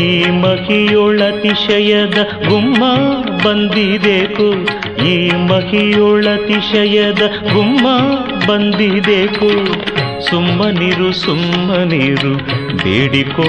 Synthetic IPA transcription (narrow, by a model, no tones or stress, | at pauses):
iːmɐhijoːɭɐt̪iʂɐjɐd̪ɐ | ɡumːɐbɐnd̪id̪eːku | iːmɐhijoːɭɐt̪iʂɐjɐd̪ɐɡumːɐ | bɐnd̪id̪eːku | sumːɐniːɾusumːɐniːɾud̪ḛːɽiko